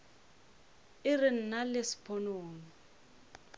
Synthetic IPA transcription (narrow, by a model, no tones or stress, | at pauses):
ɪrɪn̩nalesi̥pʰɔnoːnɔ